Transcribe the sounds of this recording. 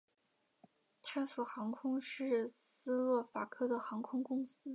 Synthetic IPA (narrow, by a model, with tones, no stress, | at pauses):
t̪ʰa˥˩ɪsu˨˩xɑ˧˥ŋkʰʊ˥ŋʂɻ̩˥˩sɹ̩˥lwɤ˥˩fa˨˩kʰɤ˥d̪ə˨xɑ˧˥ŋkʰʊ˥ŋkʊ˥ŋsɹ̩˥